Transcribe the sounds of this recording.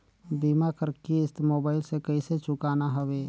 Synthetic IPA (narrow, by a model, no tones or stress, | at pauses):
biːmakəɾkiɪst̪moːbaːɪlsekəiset͡ʃʊkaːnaɦəweː